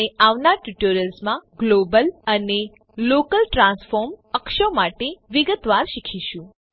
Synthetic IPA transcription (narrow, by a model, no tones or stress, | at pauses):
eaʋnaʈjuʈoɾəlsmãɡlobələne | lokəlʈɾãnsfoɾməkʃəmaʈeʋiɡət̪ʋaɾʃikʰiʃũ